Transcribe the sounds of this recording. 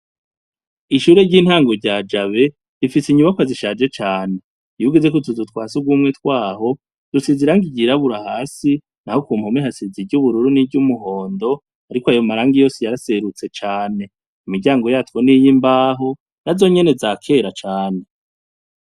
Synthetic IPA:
iʃuːɾeɾɟiːn̥haːŋɡoɾɟaːd͡ʒaβe̞ | ɾifisiɲuβakwaziʃaːd͡ʒe̞t͡ʃaːne̞ | juɡizekotuzutwaːsuɡwuːmŋetwaːɦo̞ | d̥usiziɾaŋɡiɟiɾaβuɾahaːsi | nahokuːmhomiɦhasiziɟuβuɾuɾuniɟumuɦo̞ːndo̞ | aɾikoajo̞maɾaːŋɡijo̞ːsejaɾase̞ɾut͡se̞t͡ʃaːne̞ | imiɾɟaːŋɡo̞jaːtwonijimbaːɦo̞ | nazo̞ɲe̞ne̞zakʰe̞ːɾat͡ʃaːne̞

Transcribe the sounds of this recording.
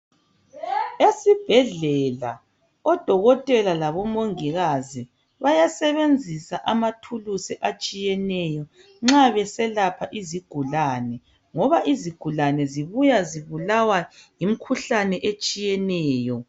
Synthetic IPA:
esib̥ʱɛɮɛla̰ | ɔd̥ʱɔɣɔtʼɛlalaβɔmoŋiɣazi | βajasɛβend͡zʱisaʔamatʰulusɛʔat͡ʃʼijɛnɛjɔ | ŋ͡ǁaβɛsɛlapʰaʔiziɡ̥ʱulanɛ | ŋɔβaʔiziɡ̥ʱulanɛziβujaziβulawajim̩kʰuɬanɛʔet͡ʃʼijɛnɛːjɔ

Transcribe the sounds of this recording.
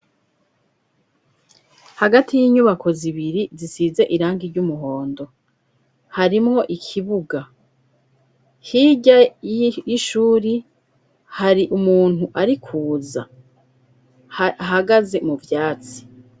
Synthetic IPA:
haɡatʰijiːɲuβakʰo̞ziβiɾizisiːze̞ʔiɾaːŋɡiɾɟumuɦo̞ːndo̞ | haɾimŋo̞ʔikʰiβuɡa | hiɟajiʃuːɾi | haɾiʔumuːn̥uʔaɾikʰuːza̰ | ɦaɡaze̞muvjaːt͡si̥

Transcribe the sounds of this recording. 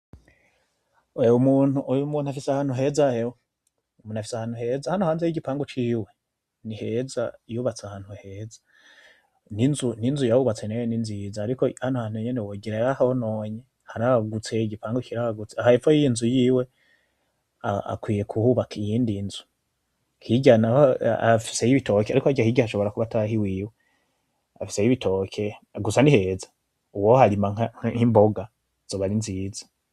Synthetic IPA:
eumuːnuumuːnuhafisahaːn̥uɦe̞zaheo | umuːnafi̥sahaːn̥uhe̞zahanohaːnzejiɟipaːŋɡukiːwe̞ | nihe̞za̰juβat͡sahaːnhuhe̞ːzḁ | ninzuninzujahuβat͡senejeninzijizaːɾikohanohaːn̥huɲenewoɡiɾajahahonoːɲe | haɾaaɡut͡se̞ɟipaːŋɡukiɾaaɡut͡seahaifojiinzujiːwe̞ | aa̰kwiːje̞kʰuhuβakijiːndinzu̥ | hiɟana̰afi̥se̞jiβito̞keaɾikoaɟahiːɟahaʃo̞βo̞ɾakuβatahiwiːwe | a̰fi̥se̞jiβitʰo̞ːkʰeɡusanihe̞zḁ | uwohaɾimaŋaŋimbo̞ɡa | z̥oβaɾinziːzḁ

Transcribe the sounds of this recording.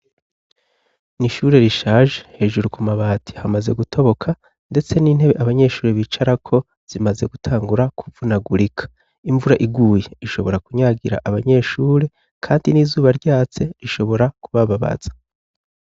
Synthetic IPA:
niʃuɾe̞ɾiʃaːʒehe̞ʒuɾukumaβaːtʰi̥hamaze̞̰ɡutʰo̞βo̞kʰa | nde̞t͡se̞niːn̥he̞βe̞ʔaβaɲe̞ʃuːɾeβit͡ʃaɾakʰo̞ | z̥imaze̞ɡutʰaːŋɡuɾaku̥vunaɡuɾikʰḁ | iɱvuɾaʔiɡuːje̞iʃo̞βo̞ɾakuɲaɡiɾa̰ʔaβaɲe̞ʃuːɾe̞ | kʰaːndiniːzuːβaɾɟaːt͡se̞ɾiʃo̞βo̞ɾakuβaβaβa̰z̥ḁ

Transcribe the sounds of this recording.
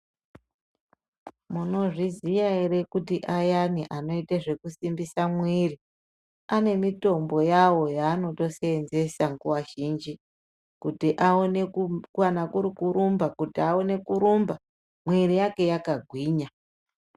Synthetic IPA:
muno̞ʐizijaeɾe̞kutiʔajaniʔano̞iteʐe̞kusimbisamwiri | ane̞mito̞mbo̞jawo̞jaːno̞to̞seenze̞saŋɡuwaʒind͡ʒi | kutiʔaonekanakuɾikuɾumbakutiaone̞kuɾumba | mwirijake̞jakaɡʱwiːɲa

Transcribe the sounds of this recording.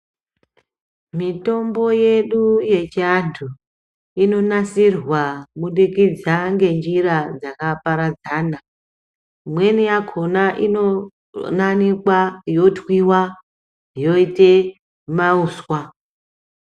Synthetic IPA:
mito̞mbo̞je̞ɗuje̞t͡ʃiantʰu | ino̞nasirwamuɗikid͡zaŋɡe̞nd͡ʒirad͡zakapaɾad͡zaːna | mwe̞nijakʰo̞naʔino̞ | nanikwajo̞twiwa | jo̞ite | mauːswa

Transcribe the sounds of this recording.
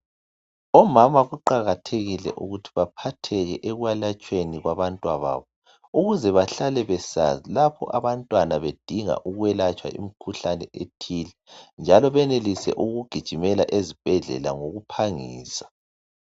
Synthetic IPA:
ɔmamaɣuǃaɣatʰeɣilɛ̰ʔuɣutʰi̥βapʰatʰɛɣɛʔɛɣwalat͡ʃʼweniɣwaβantʼwaβa̰ːβɔ | uɣuzɛβaɬalɛβɛsa̰zilapʰɔ̰ʔaβantʼwanaβed̥ʱiŋa̰ʔuɣwɛlat͡ʃʼwa̰ʔḭmikʰuɬanɛ̰ʔetʰiːlɛnd͡ʒʱalɔβɛnelisɛ̰ʔuɣuɡ̥ʱid̥ʒ̥ʱimɛlaʔezib̥ʱɛɮɛ̰la̰ŋoɣupʰaŋḭːsḁ

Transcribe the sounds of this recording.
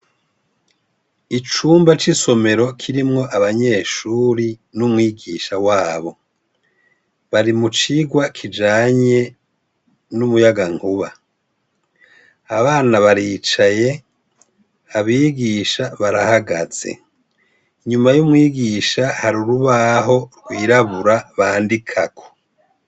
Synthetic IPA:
it͡ʃuːmbat͡ʃiso̞me̞ɾo̞kʰiɾimŋo̞ʔaβaɲe̞ːʃuːɾinumŋiːɡiːʃawaːβo̞ | βaɾimut͡ʃiɡwakʰid͡ʒaːɲe̞ | numujaɡaŋhuβa̰ | aβaːnaβaɾiːt͡ʃaje̞ | aβiːɡiːʃaβaɾahaɡaz̥ḛ | iɲumajumŋiːɡiʃahaɾuɾuβaɦo̞ɾɡwiːɾaβuɾaβaːndikʰakʰo̥

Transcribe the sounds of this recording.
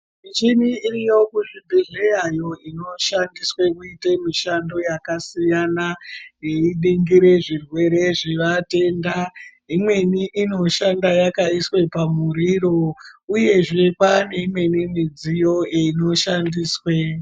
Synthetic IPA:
it͡ʃiniirijo̞kuʐibʱiɮejajo̞ino̞ʃandiswe̞kuitemiʃando̞jakasijanajeiɗiŋɡiɾe̞ʐirwe̞ɾe̞ʐiʋate̞ːnda | imwe̞niʔino̞ʃandajakaiswe̞pamuɾiro̞uje̞ʐe̞pane̞imwe̞nimid͡zijo̞eino̞ʃandiːswe

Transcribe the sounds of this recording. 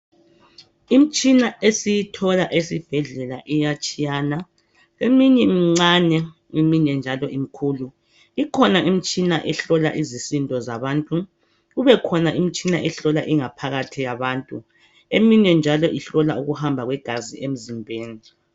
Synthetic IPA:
im̩t͡ʃʼinaesijitʰɔlaʔesib̥ʱɛɮɛlaʔijat͡ʃʼijaːna | emiɲɛmiŋ͡ǀanɛ | imiɲɛnd͡ʒʱalɔʔimikʰuːlu | ikʰɔnaʔim̩t͡ʃʼinaʔɛɬɔla̰ʔizisintʼɔzaβaːntʼu | uβɛkʰɔnaʔim̩t͡ʃʼinaʔɛɬɔlaʔiŋapʰaɣatʰijaβaːntʼu | emiɲɛnd͡ʒʱalɔʔiɬɔlauɣuhambʱaɣwɛɡ̥ʱaziʔem̩zimbʱeːni

